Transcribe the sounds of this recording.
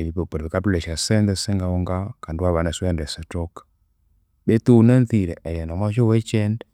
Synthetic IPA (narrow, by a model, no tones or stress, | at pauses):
eβipopoɾðekaplɛʃasɛndɛseŋɡaoŋɡakandwaβanaswɛndɛsɛtok | betunɛnθiɾɛʔɛɾɛndamat͡ʃɔwɛt͡ʃɛndɛ